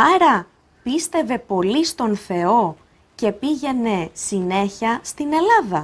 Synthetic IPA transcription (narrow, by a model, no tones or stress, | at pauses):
ɐɾɐ | pist̪e̞ve̞po̞list̪o̞nθe̞o̞ | ce̞piʝe̞ne̞sine̞çɐst̪ine̞lɐðɐ